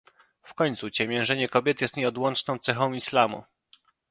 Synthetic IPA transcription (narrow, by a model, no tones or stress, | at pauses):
fkɔɲt̪sut͡ɕɛmʲjɛ̃ʐɛɲɛkɔbʲjɛt̪jɛst̪ɲɛɔd̪wɔnt͡ʂnɔ̃w̃t̪sɛxɔ̃w̃islamṵ